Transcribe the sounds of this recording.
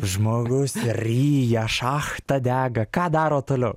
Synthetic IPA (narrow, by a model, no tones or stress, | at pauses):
ʒmoːɡʊsrʲiːjɛʃɑːxt̪ɐd̪ʲæːɡɐkɑːd̪ɑːɾoːt̪oːlʲɛʊ